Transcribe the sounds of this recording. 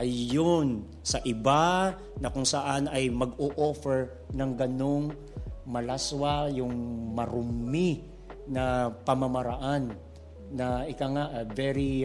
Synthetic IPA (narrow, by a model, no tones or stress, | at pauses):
ʔɐjːon | sɐʔɪba | nɐkʊŋsɐʔanɐjmɐɡoʔofɛɹ | nɐŋɡɐnoŋ | mɐlaswajʊŋmɐɾʊmːi | nɐpɐmɐmɐɾaʔanː | ɐɪkaŋaʔvɛɹi